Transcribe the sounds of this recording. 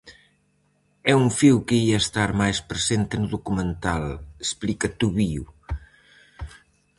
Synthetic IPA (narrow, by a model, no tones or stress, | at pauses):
ɛuɱfiwkeiɐest̪aɾmajspɾesent̪enuðukumẽnt̪alesplikɐt̪uβiu